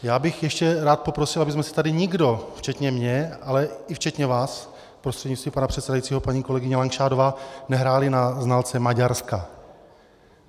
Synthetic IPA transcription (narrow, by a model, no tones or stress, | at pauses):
jaːbɪxjɛʃcɛɾaːt̪̚po̞pɾo̞sɪlʔabɪzmɛsɪ̥t̪adɪɲɪɡdo̞ft͡ʃɛt̪ɲɛmɲɛalɛɪft͡ʃɛt̪ɲɛvaːs | pɾost̪r̥ɛdɲɪst̪viːmpanapr̝̥ɛt̪sɛdajit͡siːɦopaɲiːko̞lɛɡɪɲɛlaŋkʃaːdo̞vaːnɛɦɾaːlɪnaznaːlt͡sɛmaɟaɾska